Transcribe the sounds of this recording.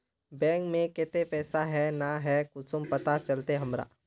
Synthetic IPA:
bɛ̃ːŋkmẽkɛt̪epɛːsaɦɛnaɦɛːkʊsʊmpɐt̪at͡ʃɐlt̪eɦɐmɾa̰

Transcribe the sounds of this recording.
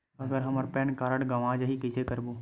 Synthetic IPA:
ɐɡəɾɦɐməɾpɛːnkaːɾəɽɡɐʋãːd͡ʒɦikɪsekəɾbuː

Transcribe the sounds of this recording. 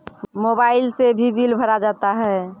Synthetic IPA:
mobaɪlsebʱibilbʱəɾad͡ʒat̪aɦɛ

